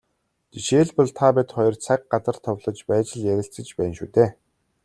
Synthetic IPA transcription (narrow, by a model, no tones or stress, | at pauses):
t̪iʃeːɮpɔɮt̪ʰapæt̪χɔjɞ̆rt͡sʰak̚ɢat͡sə̆r̥t̪ʰɔwɮɞ̆t͡ɕpæːt͡ɕɪ̆ɮjæɾʲɪ̆ɬt͡sɘ̆t͡ɕpæːnʃṵːt̪eː